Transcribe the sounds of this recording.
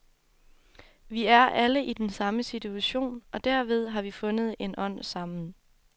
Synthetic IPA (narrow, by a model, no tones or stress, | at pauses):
ʋiæɐʔæləʔid̥ensɑ̈məsit͡sʰuæɕo̝̰ːnɒ̽d̥æɐʋe̝ð̞ˠɦɑ̈ʋifɔ̽nəð̞̩ˠe̝nʔɒ̽n̰sɑ̈m̰n̩